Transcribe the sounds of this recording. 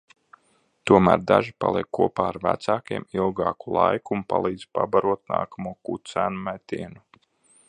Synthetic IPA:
t̪uɔmæːɾd̪aʒipalˠiɛkːuɔpaːaɾvæt̪saːkiɛmilˠɡɑːkulˠajkuːnpalˠiːd̪z̥pabaɾuɔt̪̚na̰ːkamuɔkusæːnumæt̪ʲiɛnu

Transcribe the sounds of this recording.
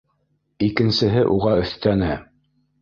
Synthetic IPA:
ikɘ̆nsɘ̆ɦɘʔuʁɑɵ̆θt̪ænɘ

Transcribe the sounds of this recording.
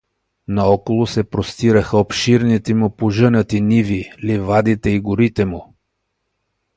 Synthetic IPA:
naɔkolˠʊsɛpɾost̪iɾəxəopʃiɾnit̪ɛmʊpoʒənət̪inivilivad̪it̪ɛiɡʊɾit̪ɛmʊ

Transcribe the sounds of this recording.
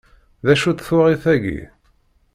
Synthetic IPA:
ðæʃut̪θʊʁiθæʝḭ

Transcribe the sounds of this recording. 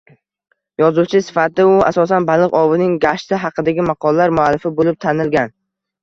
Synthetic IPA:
jɒzut͡ʃʰɪsɪ̥fat̪ɪʊa̰sɒsanbalˠɨqɒvɪnɪŋɡaʃt̪ɪɦɑqʰɨd̪aɡʲɪmɑqʰɒlˠlːaɾmʊalːɪfɪbolɪp̚t̪ʰanɪlɡʲan

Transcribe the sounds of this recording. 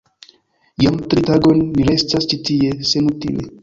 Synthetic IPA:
jamtɾitaɡo̞nːiɾe̞stast͡ʃitie̞se̞nutḭle

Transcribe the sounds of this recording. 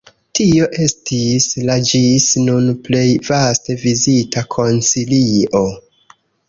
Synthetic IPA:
tio̞ʔe̞stislad͡ʒisnunple̞jvaste̞vizitʰakʰo̞nt͡siliʔo̞

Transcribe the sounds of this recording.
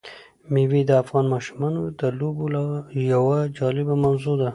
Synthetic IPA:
miwid̪əafɣɑnmɑʃumɑnod̪əlobolajawad͡ʒɑlɪbamawzod̪a

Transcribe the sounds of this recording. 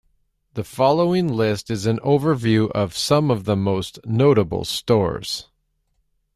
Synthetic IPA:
ðɨfɑlˠoʊɪ̃ŋlɪstɨzɨ̃noʊvə˞vjʉʔʌv̥sʌ̃mʌvðəmoʊsnoʊɾɨbl̩ˠstɔ̰ɹz̥

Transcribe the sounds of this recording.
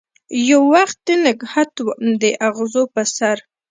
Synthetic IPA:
jawːaxt̪̚d̪ənəɡhat̪wd̪əʔaɣzopəsaɾ

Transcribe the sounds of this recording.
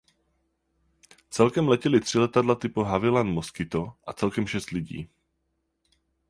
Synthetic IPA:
t͡sɛlkɛmlɛcɛlɪt̪r̝̥ɪlɛt̪adlat̪ɪpoɦavɪlanmoskɪt̪o̞ʔat͡sɛlkɛmʃɛst̪lɪɟḭː

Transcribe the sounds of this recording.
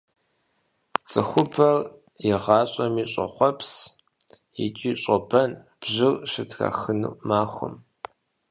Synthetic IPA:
t͡sʼɨxʷʊpʰɐr | jɪʁɑːɕʼɐmiːɕʼɐ̰χʷɔpʰs | it͡ʃʼiːɕʼɔbʰɐn | b̥ʑɪrʃɨtʰra̰xɨnṵmaːχʷʊ̰m

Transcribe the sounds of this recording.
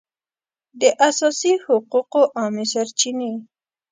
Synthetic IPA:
d̪əʔasɑsihʊquqoʔɑmesaɾt͡ʃine

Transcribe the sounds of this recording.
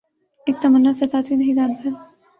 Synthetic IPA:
eːk̚t̪ɐmənːasɐt̪aːt̪inɐɦĩd̪aːnbʰɐɾ

